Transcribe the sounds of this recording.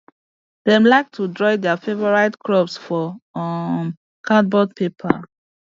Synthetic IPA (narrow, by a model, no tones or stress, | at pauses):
d̥ɛmlaɪk̚tʰudɹɔɪdɛafevɔɹaɪdkɹɔpsfɔ | m | kʰãt̚bɔd̚pʰepʰa̰